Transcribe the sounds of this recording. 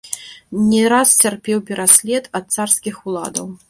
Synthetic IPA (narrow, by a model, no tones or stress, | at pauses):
nʲɛɾast͡sʲarpʲɛwpʲɛɾʔasʲlʲɛt̪ɐt̪̚sarskʲixulˠa̰d̪ɐw